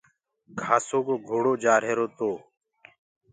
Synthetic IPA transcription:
kʰaːsoːkoːɡʱoːɽoːd͡ʒaːɾɦeːɾoːt̪oː

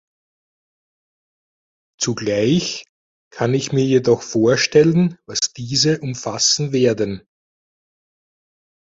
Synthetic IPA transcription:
t͡suɡlaɪç | kʰanɪçmiːɐjedɔxfoːɐʃtɛlənvasd̥iːzəʔʊmfasn̩veːɐdən

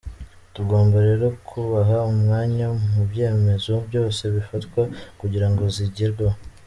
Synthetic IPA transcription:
tuɡo̞ːmbaɾe̞ɾo̞kʰuβaɦaumŋaːɲamubje̞ːme̞zobjo̞ːse̞βifatkwakuɟiɾaŋɡo̞ziɟiɾɡa

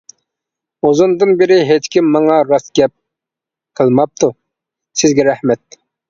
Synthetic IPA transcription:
ozund̪ɨnbɪɾɪɦet͡ʃkʲimːɑŋɑɾɑsɡʲɛp̚ | qʰəlˠmɑp̚t̪ʰu | sɪzɡʲɛɾɛhmɛt̪̚

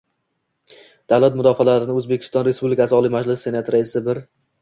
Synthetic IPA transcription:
d̪̥awlat̪mʊd̪ɒfalaɾɪnɪɵzbe̞kʲʰɪ̥st̪ɒnɾe̞spublɪkʲʰasɪɒlˠijmad͡ʒlɪsːe̞nat̪ɾaɪsɪbɪɾ

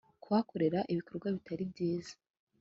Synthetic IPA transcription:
kuwako̞ɾe̞ɾaʔiβiko̞ɾɡwaβitaɾibɟiːzḁ

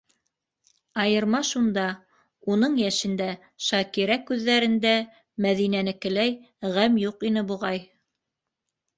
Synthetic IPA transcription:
ɑjɤ̆ɾmɑʃund̪ɑ | unɤɴjæʃɘ̆nd̪æ | ʃɑkiɾækʉðːæɾɘ̆nd̪æ | mæðinænɘ̆kɘ̆læj | ʁæmjuqinɘbuʁɑj

